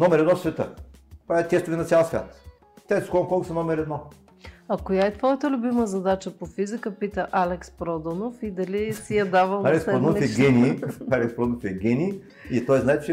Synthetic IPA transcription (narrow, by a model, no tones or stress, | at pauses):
nɔmɛɾɛd̪nɔfsvɛt̪əpat̪ʲɛst̪əvinɐt̪sʲalˠsvʲja̰t̪ | t̪ɛskɔkɔlˠkʊsɛnɔmɛɾɛd̪nɔ | ɐkojaɛt̪vɔjət̪əlʲʊbiməzɐd̪at͡ʃəpofizikəpit̪əʔalɛkspɾɔd̪onofid̪ɐlisijɐd̪avəlˠalɛkspod̪ɔnofɛɡʲɛnʲialɛkspɾɔd̪onofɛɡʲɛni | it̪ɔjznaɛt̪t͡ʃɛ